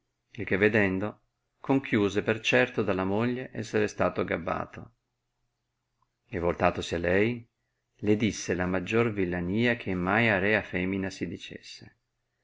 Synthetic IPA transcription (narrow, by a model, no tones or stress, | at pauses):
ilk̟evːed̪ɛnd̪o | koŋkʰjuːzepert͡ʃɛrt̪od̪alːamoʎːeʔɛsːeɾest̪aːt̪oɡabːa̰ːt̪ʰo̰ | evolt̪aːt̪osialːɛj | led̪isːelamad͡ʒːorvilːaniːak̟ʰemːajaɾɛːafɛminasid̪it͡ʃḛsːe